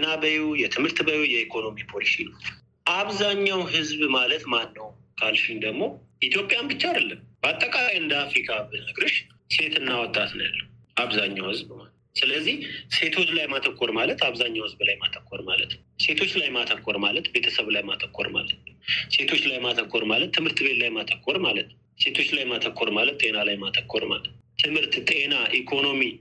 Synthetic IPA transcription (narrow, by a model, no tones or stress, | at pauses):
nabəjujɛt̪ʰɨmhɨɾt̪bəjujɛikʰo̞no̞mipʰolisinə | ʔaβzaɲːawɦɨzβmalət̪manːəw | kʰalʃind̪əɡmo̞ | ʔit̪ʰjo̞pʼjambɨt͡ʃːaad̪əlːəmb̥əat̪ʼːəkʼalajɨnd̪əafɾikʰaɨnəɡɾɨʃ | se̞t̪ʰɨnːawɔt̪ʼːat̪na̰lːə | aβzaɲːawhɨzbma | sɨləzːihse̞t̪ʰɨzlajmat̪ʰəkʰːoɾmalət̪ʰaβzaɲːawhɨzblajmat̪ʰəkʰːoɾmalə̰t̪n | se̞t̪ʰo̞t͡ʃːlajmat̪ʰəkʰːo̞ɾmalət̪be̞t̪ʰəsəβlajmat̪ʰəkʰːo̰ɾma̰lət̪nse̞t̪ʰo̞t͡ʃːlajmat̪ʰəkːoɾmalət̪ʰːɨmhɨɾt̪ʰbe̞t̪lajmat̪ʰəkʰːoɾmalət̪n | se̞t̪ʰo̞t͡ʃːlajmat̪ʰəkʰːo̞ɾmalət̪t̪ʼe̞nalajmat̪ʰəkʰːoɾma̰lə | t̪ʰɨmhɨɾt̪t̪ʼe̞naʔikʰo̞no̞mi